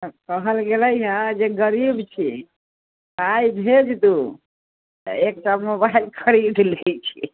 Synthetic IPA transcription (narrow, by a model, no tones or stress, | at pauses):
kəɦəlɡeləjɦə̃d͡ʒeɡəɾibt͡ʃʰi | ajbʱed͡ʒt̪u | ek̚t͡ʃamobailkʰəɾiɖ̪let͡ʃʰi